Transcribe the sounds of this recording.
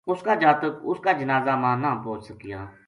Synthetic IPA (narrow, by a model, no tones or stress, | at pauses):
ʊskaːd͡ʒaːt̪əkʊskaːd͡ʒənaːzaːmãːnaːpoːt͡ʃsəkɪja̰ː